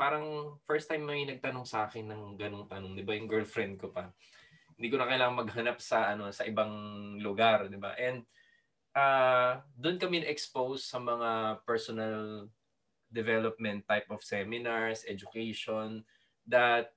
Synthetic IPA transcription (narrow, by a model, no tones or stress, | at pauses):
paːɾɐŋfɛɹst̪ajmːɐŋinɐɡ̚t̪ɐnoŋsɐʔaːkɛnːɐŋɡɐnoŋt̪ɐnoŋd̪ɪbajʊŋɡɛɹlfɾɛnd̪̚kopɐ | hɪnd̪iːk̬ʊnɐkɐjlaːŋɐŋmɐɡ̚ɦɐnap̚sɐʔɐno̞sɐʔɪbaŋlʊɡaɾd̪ɪba̰ʔɛnd̪̚ | ʔad̪ʊnkɐmɛnʔɛkspowsːɐmɐŋapɛɹsonɐl | d̪ɛvɛlop̚mɛnt̪ːajp̚ʔɔfsɛmɪnaɹsʔɛd͡ʒʊkɛjʃon | d̪ɐt̪̚